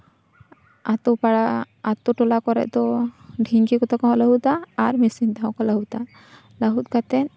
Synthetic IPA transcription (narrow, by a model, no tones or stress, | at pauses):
at̪upaɽa | at̪uʈɔlakɔɾɛ̰ʔ̚ˀd̪ɔɖʱiŋɡikɔt̪ɔkaɦɔʔləɦut̪aːɾmisint̪aɦɔ̃kɔləɦut̪a | ləɦut̪̚ˀkat̪ɛn